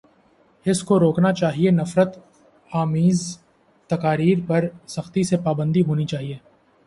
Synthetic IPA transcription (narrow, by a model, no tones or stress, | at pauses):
ɪskoɾoːknat͡ʃaːɦienɐfɾət̪ | aːmiːz | t̪ɐkaːɾiːɾpɐɾsɐxt̪isepaːbə̃nd̪iɦoːnit͡ʃaːɦieː